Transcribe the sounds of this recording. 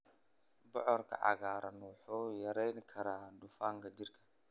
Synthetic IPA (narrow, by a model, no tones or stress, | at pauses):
bɔʕɔrkʰɐ̰ʕɑ̰ɣaːɾɐnwɑħuːjɐɾɛjŋkʰɐɾaːɖʊfaːŋkʰɐd͡ʒɪrkʰɐ̥